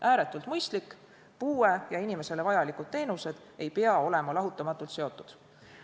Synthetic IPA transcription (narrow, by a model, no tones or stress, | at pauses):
ʔæːɾe̞t̪ːˑult̪mɤjst̪likːˑ | puːejɑinime̞se̞le̞vɑjɑlikud̥̪̚t̪e̞ːnuse̞d̪̥ | e̞jpeɑo̞le̞mɑlɑɦut̪ːˑɑmɑt̪ːˑult̪se̞o̞t̪ˑːud̪̥